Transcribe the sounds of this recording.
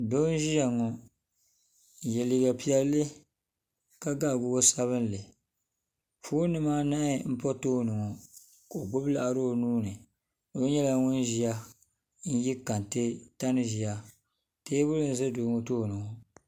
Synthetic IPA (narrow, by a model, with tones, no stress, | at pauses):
do˦n˦ʒi˦ja˨ŋɔ˨ | jɛ˨li˨ɡa˨pi˦ɛ˦llːɨ˦ | ka˦ɡa˦˨ɡʊ˨o˦sa˦βɨ˦n˦lɨ˨ | fuː˦nɨ˦maː˦na˦ɪ˨m̩˦pɔ˦toː˦˨nɨ˨ŋɔ˨ | ka˨o˨ɡ͡bʊ˦bla˦˨ʔa˨ɾo˦o˨nuː˦nɨ˨ | o˦ɲɛ˦la˨ŋʊ˦n˦ʒi˨a˦ | n̩˦ji˦ka˨n˨tɨ˦ta˦nɨ˦ʒi˨a˦ | te˦bʊ˦lɨ˦n̩˦zɨ˦doː˨˦ŋo˦toː˦˨nɨ˨ŋɔ˨